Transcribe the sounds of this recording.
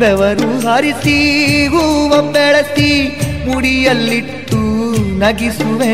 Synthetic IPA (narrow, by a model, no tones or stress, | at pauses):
ɛʋɐɾuɦɐɾisiʋuʋɐmbɛɭɐt̪imuɽijɐlːiʈːunɐɡisuʋe